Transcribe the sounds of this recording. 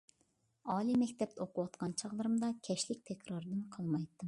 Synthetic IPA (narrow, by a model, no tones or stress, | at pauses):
ɑːlˠimɛkʲt̪ʰɛp̚t̪ɛoqʊwɑt̪qɑnt͡ʃʰɑʁlˠɨɾɨmd̪ɑkʲʰɛʃlɪk̚ʲt̪ʰɛkʲɾɑɾɨd̪ɨnqʰɑlˠmɑjt̪ːɨm